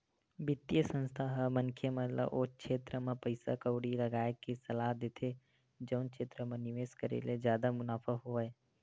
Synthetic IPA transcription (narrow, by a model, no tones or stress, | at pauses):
bɪt̪ːijəsə̃nst̪ʰaɦmɐ̃nkʰjemə̃lə̰ʔoːkʃʰeːt̪ɾəmẽpəɪsa̰kəʊɽilɐɡaːekisɐlaːɦd̪eːt̪ʰe | d͡ʒɐʊnkʃeːt̪ɾəmẽnɪʋeːskəɾḛled͡ʒjaːd̪amʊnaːfʰəɦoʋe